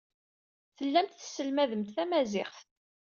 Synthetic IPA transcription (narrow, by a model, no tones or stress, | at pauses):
θəlːæmt̪θsːəlmæðəmt̪θæmæzɪχθ